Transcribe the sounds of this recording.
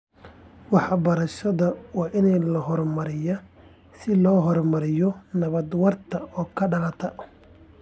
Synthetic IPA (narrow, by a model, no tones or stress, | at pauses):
wɑħbɐɾɐʃɐðɐwɑːʔɪnɛlɐɦɔrmɐɾɪjɐ | sɪlɔːɦɔrmɐɾɪjɔnɐβɐd̪wɐrt̪ʰɐɔːkʰɐɖɐlɐt̪ʰɐ